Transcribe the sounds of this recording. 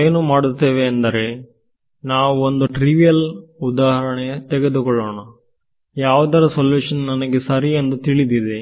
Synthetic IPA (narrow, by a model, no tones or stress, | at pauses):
eːnuːmaːɽut̪ːeːʋeɐnd̪ɐɾe̞ | naːʋuond̪uʈɾiʋijɐlud̪aːɦɐɾɐɳet̪ɛɡe̞d̪ukɔɭːoːɳɐ | jaːʋud̪ɐɾɐsɐljuːʂɐnnɐnɐɡesɐɾiend̪ut̪iɭid̪id̪e